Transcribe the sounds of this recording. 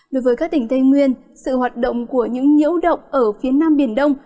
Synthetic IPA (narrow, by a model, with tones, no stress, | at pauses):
ɗo˨˦jvəː˨˦jkaː˦˥k̚t̪ï˧˩ŋ̟t̪ə˧jŋwi˧ən | sɨ̰˧˨ɦwaː˨˩t̚ɗə̰˧˨wŋ͡mku˧˩əɲɨ̰˧˥ŋɲḭ˧˥əwɗə̰˧˨wŋ͡mʔəː˧˩fi˨˦ənaː˧mɓi˧˩ənɗə˧wŋ͡m